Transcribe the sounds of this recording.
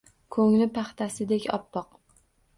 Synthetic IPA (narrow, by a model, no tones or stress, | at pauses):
kʰɵŋnɪpʰaχt̪ʰasɪd̪e̞kʲɒ̰pːɒq